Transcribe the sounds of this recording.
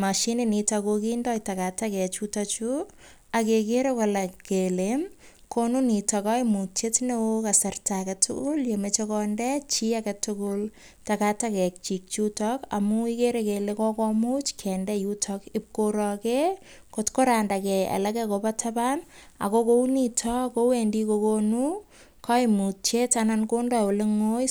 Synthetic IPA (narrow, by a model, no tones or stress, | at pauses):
maʃinenitakokindɔjtakatakɛt͡ʃutat͡ʃu | akekeɾekolakkelem | konunitakɔimut͡ʃetnekasartakatʰʊ̰kʊljemet͡ʃekɔndɛt͡ʃiakatʊkʊl | takatakɛk̚t͡ʃik̚t͡ʃutɔka̰muikeɾekelekɔkɔmut͡ʃkʰɛndɛjutʰɔkɪp̚koɾɔke | kotkoɾandakɛa̰lɛkɛkopatʰaban | a̰kokounitʰɔkowendikokonu | kʰaimut͡ʃetanankondɔoleŋoj